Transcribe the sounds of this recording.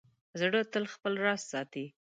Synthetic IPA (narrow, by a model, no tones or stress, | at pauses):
zɽət̪əlxpəlɾɑssɑt̪i